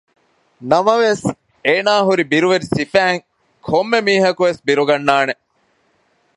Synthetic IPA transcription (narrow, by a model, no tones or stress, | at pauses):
nɐmɐʋes | eːnaːɦuɾibiɾuʋeɾisifæːŋ | kʰomːemiːɦɐkuʋesbiɾuɡɐnːaːne